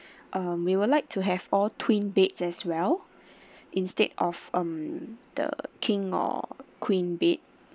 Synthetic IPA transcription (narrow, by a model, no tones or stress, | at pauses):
ʔʌ̃mwiwilaɪk̚tʰuɦɛvɔltʰwĩnbetsɛswɛl | ʔĩnstedɔfʌ̃md̥ə̰kʰĩŋɔ̰kʰwĩnbet̚